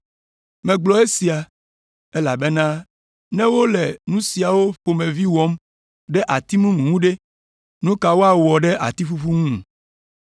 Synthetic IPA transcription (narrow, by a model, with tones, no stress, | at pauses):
mɛ̃˨ɡ͡blɔ˨e˦si˨a˨ | e˦la˨be˦nã˦ | nɛ̃˦wo˦lɛ˨nũ˦si˨a˨wo˦ɸo˨mẽ˨vi˦wɔ˦m | ɖɛ˦ʔa˨t̪i˦mũ˦mũ˨ŋũ˦ɖe˦ | nũ˦ka˨wo˦a˨wɔ˨ɖɛ˦ʔa̰˨t̪i˦fu˦fu˦ŋũ˦˨